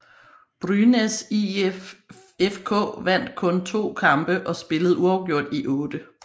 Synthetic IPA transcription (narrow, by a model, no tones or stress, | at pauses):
b̥ʁynesi | efkʰɔ̰̽ːʋæn̰d̥kʰɔ̽nt͡sʰo̝̰ːkʰɑ̈mb̥əʔɒ̽sb̥e̝ləð̞̩ˠuɑ̈ʊɡ̥jo̝ɐ̰d̥iʔɔ̽ːd̥ə